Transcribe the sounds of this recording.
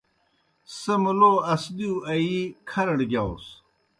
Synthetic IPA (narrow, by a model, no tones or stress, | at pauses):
semuloɐsd̪iwɐikʰɐɾɐɽɡʲjaws